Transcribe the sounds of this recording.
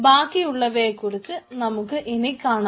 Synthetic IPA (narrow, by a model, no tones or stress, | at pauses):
baːkːijuɭːɐʋeːkːuɽut̪ːɨnɐmukːɨʔenikːaːɳ